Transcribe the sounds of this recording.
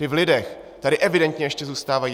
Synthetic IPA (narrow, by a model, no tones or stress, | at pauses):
ɪvlɪdɛx | t̪adɪʔɛvɪdɛnt̪ɲɛjɛʃcɛzuːst̪aːvaji